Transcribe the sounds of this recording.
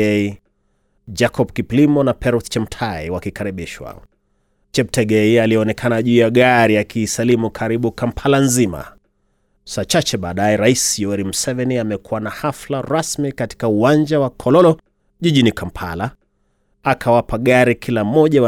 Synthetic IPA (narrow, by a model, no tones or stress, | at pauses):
ɛi | d͡ʒakʰɔp̚kiplimɔnapɛɾust͡ʃɛmtʰaiwakikaɾiɓiʃwa̰ | t͡ʃɛptɛɡɛialiɛɔnɛkʰanaʄuːjaɠaɾiakʰiːsalimukʰaɾiɓukampʰalanzima̰ | sat͡ʃat͡ʃɛɓaːɗajɛɾaisjɔɛɾimusɛvɛniamɛkuwanahaflaɾasmikati̥kauwand͡ʒawakʰɔlɔlɔ | ʄiʄinikampʰa̰la | akʰawapaɠaɾikʰilam̩mɔʄaw